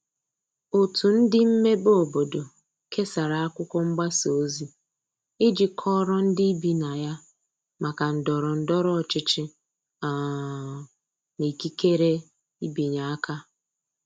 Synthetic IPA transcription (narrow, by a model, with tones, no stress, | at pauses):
o˨tu˨n̩˦dɪ˦m̩˦me˦bo˦˨bo˨do˨ | kʰe˦sa˨ɾa˨a˦kʷʊ˦kʷɔ˦ŋ͡m̩˦ɡ͡ba˦so˨˦zi˦ | ɪ˦d͡ʒɪ˨kʰɔ˦ɾɔ˦n̩˦dɪ˦i˦bi˨na˨ja˦ | ma˨ka˨n̩˨dɔ˨ɾɔ˨n̩˨dɔ˦ɾɔ˦ɔ˨t͡ʃɪ˦t͡ʃɪ˦ | a˨ | ni˨ki˦ke˦ɾe˦ | i˦bi˨ɲa˨a˦ka˦